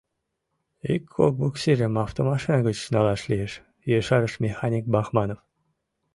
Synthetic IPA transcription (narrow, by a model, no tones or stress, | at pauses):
ikːo̰k̚buksʲiɾʲemɑft̪omɑʃinɑɡət͡ɕnɑlˠɑʃlʲijeʃ | jeʃɑɾəʃmʲexanʲik̚bɑxmɑnof